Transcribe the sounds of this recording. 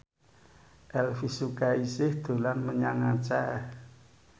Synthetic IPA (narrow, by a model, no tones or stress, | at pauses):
ʔɛlfisukaisɪhd̪̥o̤lanməɲaŋat͡ʃa